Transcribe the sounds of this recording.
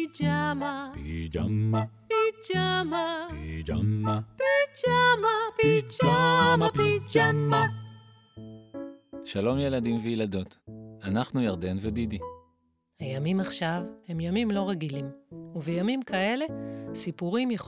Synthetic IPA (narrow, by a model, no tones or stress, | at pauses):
t͡ʃama | pit͡ʃama | pit͡ʃamait͡ʃaait͡ʃama | ʃalo̞mje̞ladimvejelado̞t̪anaχnujaʁde̞nved̪id̪i | hajamimaχʃavhe̞mjamimlo̞ʁeɡilimuvejamimkʰae̞le̞sipuʁimjeχ